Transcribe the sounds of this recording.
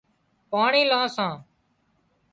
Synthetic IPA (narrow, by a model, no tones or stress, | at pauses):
paːɳĩːlãːsãː